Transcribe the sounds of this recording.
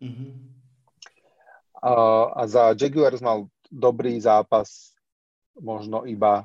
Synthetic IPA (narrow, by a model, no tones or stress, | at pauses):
m̩ɦ̩ | a̰zad͡ʒɛɡuɛɾzmal | d̪ɔbɾiːzaːpas | mɔʒnɔʔiba